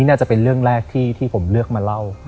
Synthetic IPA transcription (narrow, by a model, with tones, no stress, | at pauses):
iː˦˥naː˥˩t͡ɕa˨˩pe˧nɾɯ˥˩əŋɾɛː˥˩k̚t̪ʰiː˥˩t̪ʰiː˥˩pʰo˩˦mlɯ˥˩ək̚maː˧la˥˩w